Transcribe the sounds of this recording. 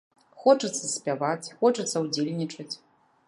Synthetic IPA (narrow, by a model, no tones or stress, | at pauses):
xɔt͡ʂɐt̪sːɐsʲpʲavat͡sʲxɔt͡ʂɐt̪sːɐwd͡zʲelʲnʲit͡ʂɐt͡sʲ